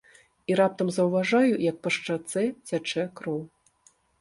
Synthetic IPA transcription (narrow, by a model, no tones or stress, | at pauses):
iɾap̚t̪ɐmzɐwvaʐajujɐk̚pɐʂt͡ʂat̪sɛt͡sʲat͡ʂɛkɾɔw